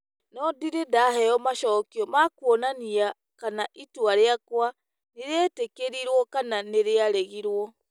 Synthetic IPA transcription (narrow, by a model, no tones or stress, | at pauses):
nɔdiɾedaɦɛɔmaʃɔːkiɔmakwɔnania | kanaʔitwaɾeakwa | neɾeɛtekeɾiɾwɔkananeɾeaɾeɣiɾwɔ